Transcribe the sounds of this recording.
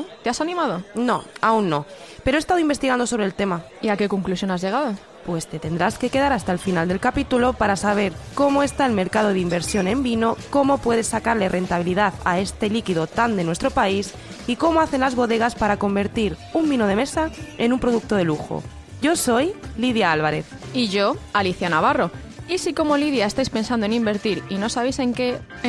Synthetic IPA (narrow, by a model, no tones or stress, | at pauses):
ot̪easanĩmað̞ono̞aunːo̞peɾoest̪aðoimbe̞st̪iɣand̪o̞soβɾe̞lt̪e̞ma | iake̞koŋklusjo̞nazʝe̞ɣaðo | pwe̞st̪e̞t̪e̞nd̪ɾaske̞ke̞ð̞aɾast̪aelfinald̪e̞lkapit̪ulo̞paɾasaβ̞e̞ɾko̞moe̞st̪ae̞lme̞ɾkað̞o̞ðimbe̞ɾsjo̞nẽ̞mbino̞ko̞mo̞pwe̞ð̞e̞sːakaɾle̞rʔe̞nt̪aβ̞iliðaθae̞st̪e̞likiðo̞t̪and̪e̞nwe̞st̪ɾo̞pais | iko̞moaθe̞nlazβo̞ðe̞ɣ̞aspaɾako̞mbe̞ɾt̪iɾumbinoð̞e̞me̞sae̞numpɾo̞ð̞uk̚t̪o̞ð̞e̞luxo̰ | ɟ͡ʝo̞so̞jliðjaalβaɾe̞θiʝo̞aliθjanaβ̞aro̞ | isiko̞mo̞lið̞jaest̪ajspe̞nsand̪oenimbe̞ɾt̪iɾino̞saβejse̞ŋke